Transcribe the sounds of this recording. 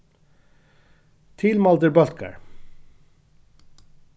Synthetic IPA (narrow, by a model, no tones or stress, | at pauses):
t̪ʰɪlmɑld̪əɾbœl̚kə̰ɹ